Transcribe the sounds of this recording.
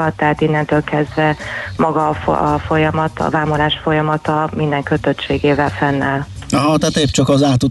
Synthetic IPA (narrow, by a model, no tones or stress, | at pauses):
ɒt̪ːɛɦaːt̪inːɛnt̪øːlkɛzd̪vɛmɒɡɒːfɒfo̞jɒmɒt̪ɒ̰vaːmolaːʃfo̞jɒmɒt̪ɒmind̪ɛŋkøt̪øt̪t͡ʃeːɡeːvɛlfɛnːaːl | ɒɦɒt̪ɛɦat̪eːpt͡ʃɒkɒzaːt̪u